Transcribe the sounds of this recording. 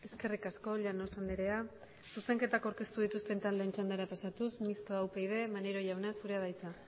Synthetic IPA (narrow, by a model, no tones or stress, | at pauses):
e̞ske̞rikasko̞ʎano̞sand̪eɾe̞a | suse̞ŋke̞t̪akawɾke̞st̪uð̞it̪ust̪e̞nt̪anle̞ːnt͡ʃand̪eɾapasat̪usmist̪oawpejð̞e̞maneɾo̞ʝawnasuɾe̞aðajt͡sa